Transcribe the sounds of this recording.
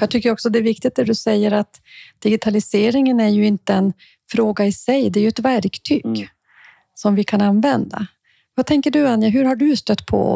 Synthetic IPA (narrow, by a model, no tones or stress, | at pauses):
jat̪ʰʏkːəɾɔksɔd̪ɛːɾvɪk̚t̪ɪɡt̪̚d̪æɖɵsɛjːəɾat̪d̪̥ɪɡɪt̪ʰalɪseːɾɪŋənæɾjɵɪnt̪əɛn | fɾoːɡaɪsɛjd̪ɛɾjɵɛt̪væɾkt̪ʰyːɡ | sɔmvɪkʰananːvɛnd̪a̰ | vat̪ʰɛŋkəɖɵanjəɦɵɾɦaɖɵst̪œt̪ːpʰɔ̰